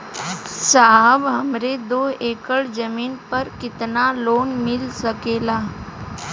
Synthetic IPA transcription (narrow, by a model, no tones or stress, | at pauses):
saːɦəbɦɐmɾed̪oːɦeːkəɭd͡ʒɐmiːnpɐɾkɪt̪naloːnmɪlsɐkeːlaː